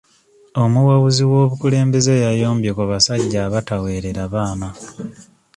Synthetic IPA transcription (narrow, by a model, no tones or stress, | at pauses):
o̞muwaβuziwo̞ːβukule̞ːmbe̞ze̞jajo̞ːmbje̞kuβasaɟːaβatawe̞ːɾe̞ɾaβaːna